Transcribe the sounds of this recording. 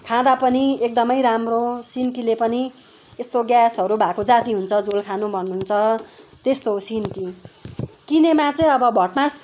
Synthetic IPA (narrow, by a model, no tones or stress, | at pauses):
kʰãd̪apʌniek̚d̪ʌmʌjɾamrosinkilepʌni | est̪oɡjasɦʌɾubʱakod͡zat̪iɦunt͡sʰʌd͡zolkʰanubʱʌnːuɦnt͡sʰʌt̪est̪osinki | kinemat͡sʌĩʌbʌbʱʌʈmas